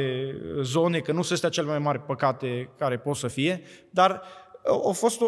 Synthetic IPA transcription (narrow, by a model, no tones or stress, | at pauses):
ezo̞nekənusest̪eat͡ʃe̞lemajmaɾʲpəkat̪e̞kaɾe̞pot̪səfije̞d̪ar | afo̞st̪